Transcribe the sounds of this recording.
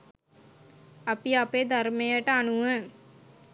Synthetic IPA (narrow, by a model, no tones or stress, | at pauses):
ɐpiɐpeːd̪aɾmejəʈəanuʋə̃